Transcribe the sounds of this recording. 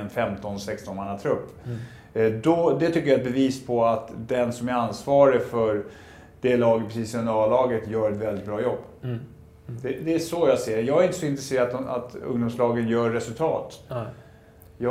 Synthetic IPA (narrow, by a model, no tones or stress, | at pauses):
ɛnfɛmt̪ɔnsɛkst̪ɔnmanːat̪ʰɾɵpː | d̪ɔd̪ɛt̪ʰʏkːəjaɛt̪̚bɛviːspʰɔat̪d̪ɛnsɔmæɾansvɑːɾəfœɾ | d̪̥ɛlɑːɡəpʰɾɛsiːsɾɵnd̪əɾɑlɑːɡət̪jœːɾɛt̪vɛld̪ɪt̪̚bɾɑːjɔbː | d̪ɛd̪ɛːʂɔjɑɡseːjɑːɡaɾɪnt̪əsɔɪnt̪ɾɛseːɾad̪a̰t̪ɵ̰ŋd̪ʊmslɑːɡənjœːɛsɵlt̪ʰɑ̰ːt̪ | jɑ